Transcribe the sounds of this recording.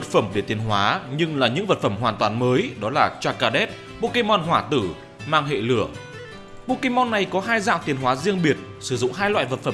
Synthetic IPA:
ə˨˩t̚fə˧˩mɗe˧˩t̪i˨˩ənɦwaː˨˦ɲɨ˧ŋlaː˨˩ɲɨ̰˧˥ŋvə˨˩t̚fə˧˩mɦwaː˨˩nt̪waː˨˩nməː˨˦jɗɔ˨˦laː˨˩t͡ɕaː˧kaː˧ɗɛ˦˥t̚ | ɓo˧ki˧mɔ˧nɦwaː˧˩t̪ɨ˧˩ | maː˧ŋɦḛ˧˨lɨ˧˩ə | ɓo˧˥ki˧mɔ˧nːa˨˩jkɔ˨˦ɦaː˧jza̰ː˧˨wt̪i˨˩ənɦwaː˨˦zi˧əŋɓi˨˩ət̚ | sɨ˧˩zʊ̰˧˨ŋ͡mɦaː˧jlwa̰ː˧˨jvə˨˩t̚fə˧˩

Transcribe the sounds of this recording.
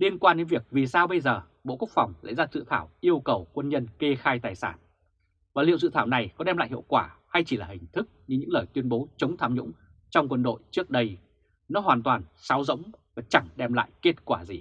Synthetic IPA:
li˧ənkwaː˧nɗe˨˦nvi˨˩ək̚vi˨˩saː˧wɓə˧jzəː˨˩ | ɓo̰˧˨ku˦˥ək̚fa˨˩wŋ͡mla̰ː˧˨zaː˧zɨ̰˧˨t̪ʰaː˧˩wʔi˧əwkə˨˩wkwə˧nɲə˧nke˧xaː˧jt̪aː˨˩jsa̰ː˧˩n | vaː˨˩lḭ˧˨əwzɨ̰˧˨t̪ʰaː˧˩wna˨˩jkɔ˨˦ɗɛ˧maː˧˨hḭ˧˨wkwaː˧˩ha˧jt͡ɕi˧˩laː˨˩hï˨˩ŋ̟t̪ʰɨ˦˥k̚ɲɨ˧ɲɨ̰˧˥ŋləː˨˩jt̪wi˧ənɓo˨˦t͡ɕə˨˦wŋ͡mt̪ʰaː˨˧˩mɲʊ̰˧˥ŋ͡m | t͡ɕɔ˧wŋ͡mkwə˧nɗo̰˧˨jt͡ɕɨ˦˥ək̚ɗə˧j | nɔ˨˦ɦwaː˨˩nt̪waː˨˩nsaː˨˦wzə̰˧˥wŋ͡mvaː˨˩t͡ɕa˧˩ŋɗɛ˧mla̰ː˧˨jke˦˥t̚kwaː˧˩zi˨˩

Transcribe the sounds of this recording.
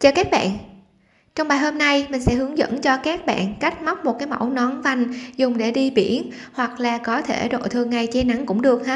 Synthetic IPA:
t͡ɕəː˧˩kaː˦˥k̚ɓa̰ː˧˨n | t͡ɕɔ˧wŋ͡mɓaː˨˩jɦo˧mna˧jmï˨˩ŋ̟sɛ̰˧˥hɨ˨˦əŋzə̰˧˥nt͡ɕɔ˧kaː˦˥k̚ɓa̰ː˧˨nka˦˥jk̟̚ma˦˥k͡p̚mo˨˩t̚kaː˨˦jma̰˧˩wnɔ˨˦nva˨˧˩jŋ̟zʊ˨˩ŋ͡mɗe˧˩ɗi˧ɓḭ˧˩ən | hwa˨˩k̚laː˨˩kɔ˨˦t̪ʰe˧˩ɗo̰˧˨jt̪ʰɨ˨˩əŋːa˨˩jt͡ɕe˧na˨˦ŋkʊ̰˧˥ŋ͡mɗɨ˨˩ək̚haː˨˦˥

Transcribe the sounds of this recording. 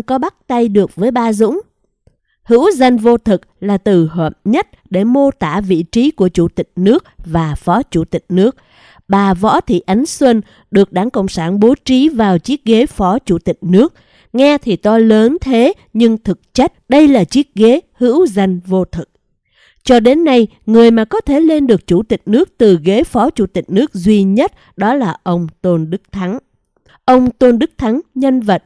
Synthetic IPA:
kɔ˨˦ɓa˦˥k̚t̪a˧jɗɨ˨˩ək̚vəː˨˦jɓaː˧zʊ̰˧˥ŋ͡m | hɨ̰˧˥wza˧jŋ̟vo˧t̪ʰɨ˨˩k̚laː˨˩t̪ɨ˨˩ɦə̰˧˨˩mɲə˦˥t̚ɗe˧˩mo˧t̪aː˧˩vḭ˧˨t͡ɕi˨˦ku˧˩ət͡ɕu˧˩t̪ï˨˩k̟̚nɨ˦˥ək̚vaː˨˩fɔ˨˦t͡ɕu˧˩t̪ï˨˩k̟̚nɨ˦˥ək̚ | ɓaː˨˩vɔ̰˧˥t̪ʰḭ˧˨ʔa˨˦jŋ̟swə˧n | ɗɨ˨˩ək̚ɗaː˨˧˦ŋkə̰˧˨wŋ͡msaː˧˩nɓo˨˦t͡ɕi˨˦vaː˨˩wt͡ɕi˦˥ət̚ɣe˨˦fɔ˨˦t͡ɕu˧˩t̪ï˨˩k̟̚nɨ˦˥ək̚ | ŋɛ˧t̪ʰi˨˩t̪ɔ˧ləː˨˦nt̪ʰe˨˦ | ɲɨ˧ŋt̪ʰɨ˨˩k̚t͡ɕa˦˥k̚ɗə˧jlaː˨˩t͡ɕi˦˥ət̚ɣe˨˦hɨ̰˧˥wza˧jŋ̟vo˧t̪ʰɨ˨˩k̚ | t͡ɕɔ˧ɗe˨˦nːa˧j | ŋɨ˨˩əjmaː˨˩kɔ˨˦t̪ʰe˧˩le˧nɗɨ˨˩ək̚t͡ɕu˧˩t̪ï˨˩k̟̚nɨ˦˥ək̚t̪ɨ˨˩ɣe˨˦fɔ˨˦t͡ɕu˧˩t̪ï˨˩k̟̚nɨ˦˥ək̚zwi˧ɲə˦˥t̚ | ɗɔ˨˦laː˨˩ʔə˧wŋ͡mt̪o˧nɗɨ˦˥k̚t̪ʰa˨˦ŋ | ʔə˧wŋ͡mt̪o˧nɗɨ˦˥k̚t̪ʰa˨˦ŋɲə˧nvə˨˩t̚

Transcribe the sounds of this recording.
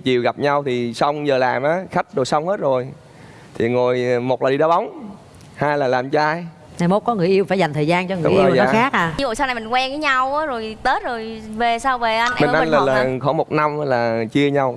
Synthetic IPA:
t͡ɕi˨əwɣa˨˩p̚ɲa˧wt̪ʰi˨˩sa˧wŋ͡mzəː˨˩laː˨˩mʔaː˨˦xa˦˥k̚ɗo˨˩jsa˧wŋ͡mhe˦˥t̚zo˨˩j | t̪ʰi˨˩ŋo˨˩jmo˨˩t̚laː˨˩ɗi˧ɗɔa˧˦ɓa˨˦wŋ͡m | haː˧jlaː˨˩laː˨˩mt͡ɕɔ˧ʔaː˧j | naː˧˩jmo˦˥t̚kɔ˨˦ŋɨ˨˩əjʔi˧əwfaː˧˩jza˨˩jŋ̟t̪ʰəː˨˩jzaː˧nt͡ɕɔ˧ŋɨ˨˦˩ʔiː˧˨wɔː˨˧˦xaː˦˥k̚ʔaː˨˩i˧vṵ˧˨sa˧wna˨˩mi˨˩ŋkwɛ˧vəː˨˦jɲa˧waː˨˦zo˨˩jt̪əː˨˦˥t̚zo˨˩jve˨˩saː˧wve˨˩ʔa˧jnʔmi˨nʔa˧ŋla˨˩laː˨˩˨xɔ˧˦mo˨˩t̚na˧m˦laː˨˩t͡ɕi˧əɲa˧w

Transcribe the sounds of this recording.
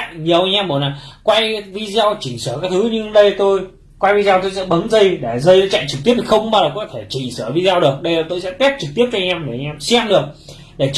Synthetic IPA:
ɲi˨˩əwʔa˧jɲʔɛ˧mɓo˨˩na˨˩kwa˧jvi˧za˧wt͡ɕi̟˧˩səː˧˩kaː˨˦˥jt̪ʰɨ˨˦ɲɨ˧ŋɗə˧jt̪o˧j | kwa˧jvi˧zːwt̪o˧jsɛ̰˧˥ɓə˨˦nzə˧jɗe˧˩zə˧jə˧˥t͡ɕa̰˧˨t͡ɕɨ˨˩t̪i˦˥ət̪ʰi˨˩xə˧wŋ͡mɓaː˧laː˨˩kɔ˨˦t̪ʰe˧˩t͡ɕi˧˩ŋsəː˧˩˨vi˧zːwɗɨ˨˩ək̚ɗə˧jlaː˨˩t̪o˧jsɛ̰˧˥t̪ɛ˦˥p̚t͡ɕɨ˨˩k̚t̪i˦˥əp̪̚aː˧ɲɛ˧mɗe˨˧˩a˧ɲʔɛ˧msɛ˧mɗɨ˨˩ək̚ | ɗe˧˩t͡ɕ

